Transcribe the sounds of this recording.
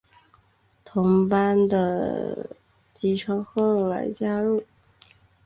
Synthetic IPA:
t̪ʰʊ˧˥ŋpa˥nd̪ə̰˨ | t͡ɕi˧˥ʈ͡ʂʰɤ˥ŋxɤ˥˩la̰˧˥ɪt͡ɕja˥ɻu˥˩

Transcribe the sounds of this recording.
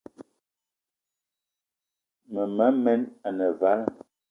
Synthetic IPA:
mə˨ma˨˦mɛ˦na˨nə˨va˨˦l

